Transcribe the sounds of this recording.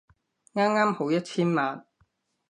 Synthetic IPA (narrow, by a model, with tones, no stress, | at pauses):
ŋaː˥mŋaː˥mho˨˥wjɐ˥t̚t͡sʰiː˥nmaː˨n